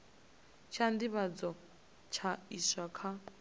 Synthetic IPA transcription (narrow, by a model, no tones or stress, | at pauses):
t͡ʃʰandiβad͡zɔ | t͡ʃʰaiswakʰa